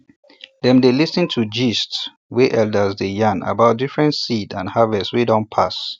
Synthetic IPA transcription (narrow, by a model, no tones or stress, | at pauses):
dɛ̃mdelisə̃ntʰud͡ʒist | weʔɛldəzdejãna̰baʊt̚difɹɛ̃ntsidã̰nhavɛswedɔ̃npʰas